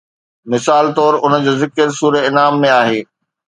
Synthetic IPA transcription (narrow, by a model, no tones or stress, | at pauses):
mɪsaːlt̪ɔːɾʊnəd͡ʑoːzɪkəɾsuːɾeɪnaːmːẽaːɦeː